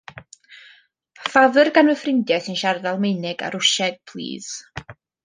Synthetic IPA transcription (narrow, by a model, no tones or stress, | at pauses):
faðərɡanəfrɪndjɛθɨnʃardalˠmenɨɡa̰ɾʊʃɛɡ̥̚pʰlˠḭːð̥